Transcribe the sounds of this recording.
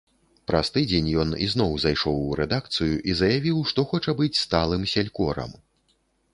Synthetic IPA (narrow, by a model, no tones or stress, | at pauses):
pɾɐst̪ɨd͡zʲenʲjɔnḭznɔwzajʂɔwɾɛd̪ak̚t̪sɨjuʔizɐjavʲiwʂt̪ɔxɔt͡ʂɐbɨt͡sʲst̪alˠɨmsʲalʲkɔɾɐ̰m